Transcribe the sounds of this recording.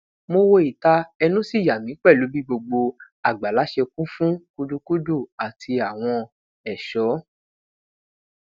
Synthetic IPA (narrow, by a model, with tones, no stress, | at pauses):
mo˧wo˧i˨ta˧˦ɛ˧nũ˦si˦˨ja˨mĩ˨˦k͡pɛ˦˨lu˨˦bi˦ɡ͡bo˧ɡ͡bo˧ | a˨ɡ͡ba˨la˨˦ʃe˧kũ˦fũ˦ku˦du˧ku˦du˦˨a˨tʰi˧a˨w̃ɔ̃˧ | ɛ˨ʃɔ˨˦